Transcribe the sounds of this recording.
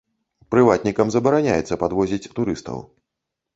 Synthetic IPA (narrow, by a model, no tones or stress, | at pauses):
pɾɨvat̪̚nʲikɐmzɐbɐɾanʲajɛ̰t̪sːɐpad̪vɔzʲit͡sʲt̪uɾɨst̪ɐ̰w